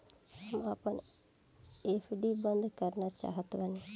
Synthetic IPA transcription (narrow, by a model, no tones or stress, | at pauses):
amapən | epʰɖibənd̪ʱəkəɾnat͡ʃa̰ɦət̪ʋani